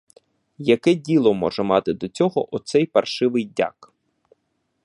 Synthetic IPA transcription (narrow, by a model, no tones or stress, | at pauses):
jɐkɛdʲilˠɔmɔ̰ʒɛmɑt̪ɪd̪ɔt͡sʲɔɦɔʔɔt̪sɛjpɐrʃɪʋɪjdʲa̰k